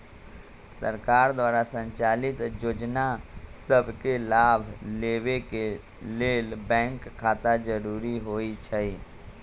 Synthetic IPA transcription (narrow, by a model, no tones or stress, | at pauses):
sə̰ɾkaːɾd̪waːɾasə̃ɲt͡ʃaːlɪt̪joːd͡ʒnasəbʱkelaːbʱleːweke | leːlbɛ̃ːŋkʰːaːt̪ad͡ʒəɾuːɾiɦoːit͡ʃʰəi